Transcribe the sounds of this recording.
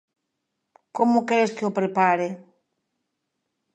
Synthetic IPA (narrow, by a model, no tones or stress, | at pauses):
komokeɾeskeopɾepaɾe